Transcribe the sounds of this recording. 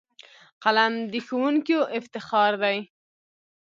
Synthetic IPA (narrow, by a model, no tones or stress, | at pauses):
qalamd̪əxawuŋkoʔɪft̪ɪxɑɾd̪aj